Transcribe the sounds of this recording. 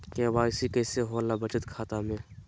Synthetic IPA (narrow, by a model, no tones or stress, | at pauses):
keːbaːsikɛːseɦolːabət͡ʃət̪kʰaːt̪amẽː